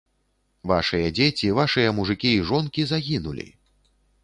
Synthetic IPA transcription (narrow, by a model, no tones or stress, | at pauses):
va̰ʂɨjɐd͡zʲet͡sʲivaʂɨjɐmuʐɨkʲiːʐɔnkʲizaɣʲinulʲḭ